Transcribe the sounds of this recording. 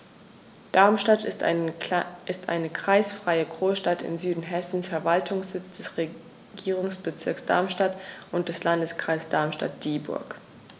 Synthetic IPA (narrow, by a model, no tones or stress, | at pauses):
d̥aɐmʃtat | ɪstʔa̰ɪnəkʁ̥aɪsfʁ̥aɪəɡʁoːsʃtatɪ̰mzyːdn̩ɦɛsn̩sfɛɐvaltʰʊŋsz̥ɪt͡sd̥ɛsʁe | ɡ̥iːʁ̞ʊŋsb̥ət͡sɪɐksd̥a̰ɐmʃtatʔʊnt̚d̥ɛslandəskʁ̥aɪsd̥aɐmʃta̰t̚d̥iːbʊ̰ɐk